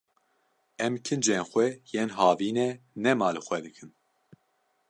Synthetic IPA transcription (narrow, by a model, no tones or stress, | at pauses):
ɛmkʰɨnd͡ʒenxʷɛjeːnɦɑːviːnɛnɛmɑːlɨxʷɛd̪ɨkʰɨn